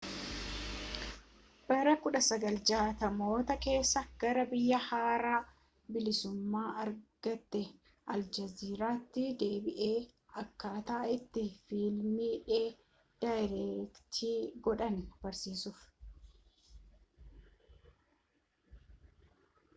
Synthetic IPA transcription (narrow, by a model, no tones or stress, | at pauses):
b̥ɐɾɐkʊᶑɐsɐɡɐld͡ʒaːt̪ɐmo̞ːt̪ɐke̞ːsːɐɡ̥ɐɾɐbɪjːɐhaːɾaː | bɪlɪsʊmːaːɐɾɡ̥ɐt̪ːɛ | ʔɐld͡ʒɐziːɾaːt̪ːɪd̪e̞ːbɪʔe̞ː | ɐkːaːt̪ɐʔɐɪt̪ːɪfiːlmiᶑeː | d̥ajɾɛkt̪ʰiːɡɔᶑɐnb̥ɐɾsiːsʊf